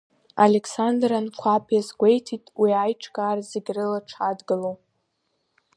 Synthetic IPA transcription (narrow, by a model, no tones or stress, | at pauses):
ale̞ksandrankʷʰapʰjazɡʷe̞jtʰitʼwiajʈ͡ʂʰʼkʼaːrzeɡʲrɨlaʈ͡ʂʰadɡɨlow